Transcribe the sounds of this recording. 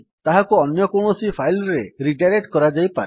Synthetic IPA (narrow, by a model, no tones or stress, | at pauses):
t̪aɦakuɔnjɔkuɳ̃ɔsipʰajlɾeɾiʈaɾeʈkɔɾad͡ʒajpa